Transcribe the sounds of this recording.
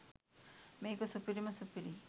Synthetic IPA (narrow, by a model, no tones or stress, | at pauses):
meːkosupiɾimasupiɾi